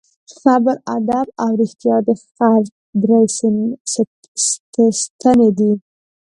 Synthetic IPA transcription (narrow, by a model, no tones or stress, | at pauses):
xabəɾad̪abawɾɪxt̪jɑd̪əxaɾk̚ | d̪ɾajsn | sst̪əned̪i